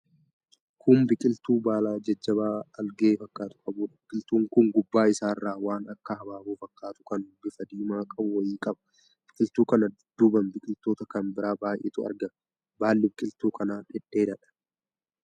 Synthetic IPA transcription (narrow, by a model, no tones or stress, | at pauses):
kʊmbɪkʼɪlt̪uːbaːlaːd͡ʒɐd͡ʒːɐbaːɐlɡeːfɐkːaːt̪ʊ̥kʼɐbuːᶑɐbɪkʼɪlt̪uːŋkʊŋɡʊbːaːɪsaːrːaːwaːnɐkːɐhɐbaːbuːfɐkːaːt̪ʊ̥kɐnbɪfɐd̪iːmaːkʼɐbʊwɐjiːkʼɐbɐ̥ | b̥ɪkʼɪlt̪uːkɐnɐd̪d̪ʊbɐmbɪkʼɪlt̪oːt̪ɐkɐnbɪɾaːbaːjʔḛːt̪ʊɐ̰ɾɡɐn | baːlːɪbɪkʼɪlt̪uːkɐnaːᶑʼɪᶑːeːd̪ɐᶑɐ̥